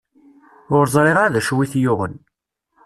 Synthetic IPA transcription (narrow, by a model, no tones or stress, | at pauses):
ʊɾzˤɾˤeʁaðæʃwiθjʊʁə̰n